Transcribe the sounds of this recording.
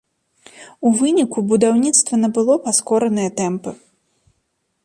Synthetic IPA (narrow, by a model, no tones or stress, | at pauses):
uvɨnʲikubud̪awnʲit̪st̪vɐnɐbɨlˠɔpaskɔɾɐnɨjɐt̪ɛmpɨ